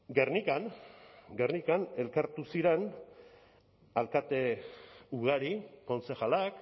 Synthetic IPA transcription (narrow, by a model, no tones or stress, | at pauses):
ɡernikanɡernikane̞lkaɾt̪usiɾe̞n | alkat̪e̞uɣ̞aɾiko̞nsexalak